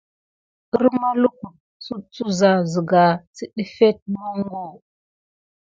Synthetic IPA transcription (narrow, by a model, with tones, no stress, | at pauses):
ə˦ɾma˦lu˦ku˨ | su˦t͡su˦za˨zə˨ɡa˨t͡si˦ɗi˦fe˦t̚mo˦ŋɡo˦˨